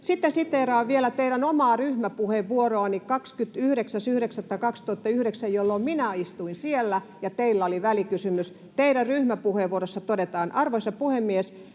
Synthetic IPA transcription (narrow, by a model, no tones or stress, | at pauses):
sit̪ːensit̪ːeːrɑːʋʋielæt̪eiɾænomɑːryhmæpuheʋʋuoroɑnikɑkskyt̪yhɾeksæsyhɾeksæt̪ːɑkɑkst̪uɑt̪ːɑyhɾeksæjjolːomminæist̪uinsielːæ | jɑt̪eilːæoliʋælikysymys | t̪eiɾærryhmæpuheʋuoɾosːɑt̪odet̪ɑːnʔɑrʋoisɑpuhemːies